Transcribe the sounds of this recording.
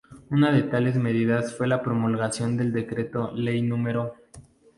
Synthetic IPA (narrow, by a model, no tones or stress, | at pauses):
unaðe̞t̪ale̞zme̞ð̞iðasfwe̞lapɾo̞mulɣasjo̞nd̪e̞ld̪e̞kɾe̞t̪o̞le̞jnũme̞ɾo